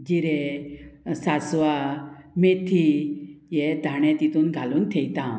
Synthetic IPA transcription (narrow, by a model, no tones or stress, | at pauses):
d͡ʑiɾe | sasʋamet̪ʰijed̪ʱaɳɛ̃t̪it̪uːnɡʱaluːnt̪ʰejt̪ã